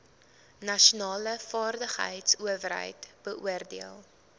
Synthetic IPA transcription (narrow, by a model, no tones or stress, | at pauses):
nɐʃunɑːləfɑːrdəχɦə̰jtsuəvərɦə̰jtb̥əʔuərdiəlˠ